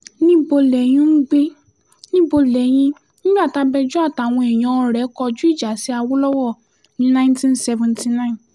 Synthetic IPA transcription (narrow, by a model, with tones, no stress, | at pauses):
nĩ˦bo˧lɛ˨j̃ĩ˦n̩˦ɡ͡be˦ | nĩ˦bo˧lɛ˨j̃ĩ˧ | nĩ˦ɡ͡ba˦˨ta˨˦bɛ˧d͡ʒu˦a˦˨ta˨w̃ɔ̃˧ɛ˨j̃ã˨˦ɔ˧ɾɛ˨˦kɔ˧d͡ʒu˦i˦˨d͡ʒa˨si˨˦a˧wo˦lɔ˦wɔ˦˨ | nĩ˨˦nã˦ntĩ˦nsɛ˧vɛ̃˨nti˧nã˦ĩ˨n